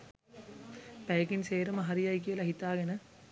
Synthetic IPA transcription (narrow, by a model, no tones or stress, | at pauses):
pæjekinseːɾəmɐɦɐɾijajk̬ijəlaɦit̪aːɡenə